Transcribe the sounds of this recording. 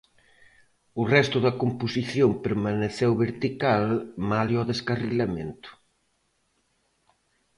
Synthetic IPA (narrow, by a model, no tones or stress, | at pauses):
ʊrɛst̪ʊðɐkomposiθjompeɾmaneθɛwβeɾt̪ikalmaljɔðeskariʎamḛnt̪ʊ̥